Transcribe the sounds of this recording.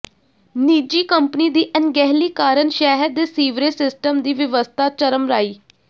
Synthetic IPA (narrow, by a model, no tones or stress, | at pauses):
niːd͡ʒiːkəmpniːd̪iːʔənɡɛɦliːkaːɾənʃɛːɦəɾd̪eːsiːʋɾeːsɪsʈəmd̪iːʋɪʋəst̪ʰaːt͡ʃəɾəmɾaːiː